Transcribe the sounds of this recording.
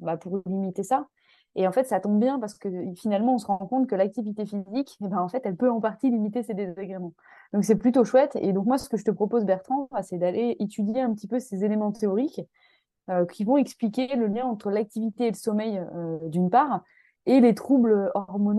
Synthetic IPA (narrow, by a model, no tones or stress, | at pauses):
bapuʁlimit̪esa | eɑ̃fɛt̪sat̪ɔ̃bjɛ̃paʁsə̥kəfinalmɑ̃ɔ̃səʁɑ̃kɔ̃t̪kəlak̚t̪ivit̪efizikʲebɛ̃ɑ̃fɛt̪ɛlpøɑ̃paʁt̪ilimit̪esed̪ezaɡʁemɑ̃ | d̪̥ɔ̃ksɛplyt̪oʃwɛt̪ḛd̪ɔ̃kmwasə̥kəʒət̪əpχɔpozbɛʁt̪χɑ̃basɛd̪aleet̪ʰyd̪jeɛ̃pət̪ipøsezelemɑ̃t̪eɔʁikʲ | økʲʰivɔ̃ɛksplikʲeləljɛ̃ɑ̃t̪χəlak̚t̪ivit̪eːləsɔmɛjød̪ynpaːʁ | elet̪χubløɔʁmɔñ